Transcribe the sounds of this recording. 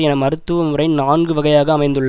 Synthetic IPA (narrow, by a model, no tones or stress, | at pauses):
ɛnɐmɐɾɯt̪ːɯʋɐmɯrɐɪnaːnɡɯʋɐɣɐjaːɣɐːmɐɪnd̪ɯɭːɐ